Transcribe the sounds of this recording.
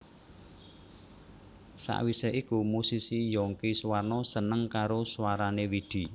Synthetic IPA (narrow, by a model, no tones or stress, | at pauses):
sa̰ʔwiseʔikumusisijɔŋkiswarnɔsənəŋkaɾoswaɾanewiɖ̪̥i̤